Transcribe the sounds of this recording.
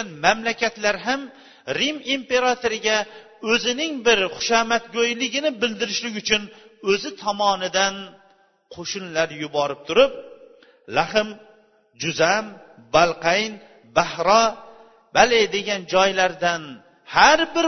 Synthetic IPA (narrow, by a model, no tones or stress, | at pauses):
nmamlakʲʰat̪laɾɦam | ɾimimpe̞ɾat̪ʰoɾɪɡʲa | ɵzɪnɪŋbɪɾχʊ̥ʃamat̪̚ɡojlɪɡʲɪnɪbɪld̪ɪɾɪʃlɪɡʲʊt͡ʃʰʊnɵzɪt̪ʰɒmɒnɪd̪an | qʰoʃʊnlaɾjʊbɒɾɪp̚t̪ʰʊɾʊp̚ | laχɪm | d͡ʒʊzam | balˠqʰajn | bahɾɒ | b̥aled̪e̞ɡʲand͡ʒɒjlaɾd̪an | haɾbɪɾ